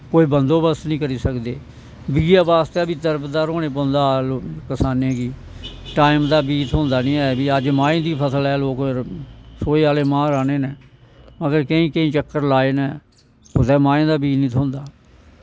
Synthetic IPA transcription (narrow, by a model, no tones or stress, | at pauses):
koːiːbənd̪oːbəsnĩːkəɾiːsəkd̪eː | biːaːbaːst̪ɛːbiːd̪əɾbd̪aːɾõːneːpõːnd̪aːlokəsaːnẽːkiː | ʈaːɪmd̪aːbiːt̪ʰõːnd̪aːnĩːɛːbiːəd͡ʒmãːẽːd̪iːpʰəsəlɛːloːk | soːeːaːleːmãːɾaːneːnɛːməɡəɾkəĩːkəĩːt͡ʃəkːəɾlaːeːnɛ̃ː | ʊt̪ɛːmãːẽːd̪aːbiːnĩːt̪ʰõːnd̪aː